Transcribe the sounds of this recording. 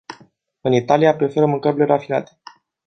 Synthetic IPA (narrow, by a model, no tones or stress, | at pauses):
ɨnit̪aliapɾe̞fe̞ɾəmɨŋkəɾile̞ɾafina̰t̪e̥